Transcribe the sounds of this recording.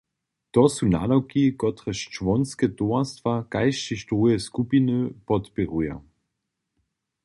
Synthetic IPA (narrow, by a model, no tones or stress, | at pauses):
tɔsuna̰dawkikɔtʁɛʃt͡ʃvɔnskɛtoɐstvakajʃt͡ʃiʃtʁujɛskupinəpɔtpɛʁuja̰